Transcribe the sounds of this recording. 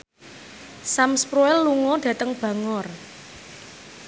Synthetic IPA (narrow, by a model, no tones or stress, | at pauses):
samspɾuɛlːuŋɔɖ̥ä̤t̪əŋb̥ä̤ŋɔr